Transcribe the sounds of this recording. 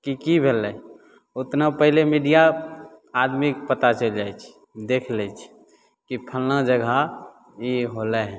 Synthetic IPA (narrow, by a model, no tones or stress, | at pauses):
kikibʱelːɛj | ut̪napəɦilemiɖija | ad̪mikpət̪at͡ʃəld͡ʒajt͡ʃʰ | d̪ekʰlɛt͡ʃʰ | kipʰəlnad͡ʒəɡʱa | iɦolɛɦɛ̃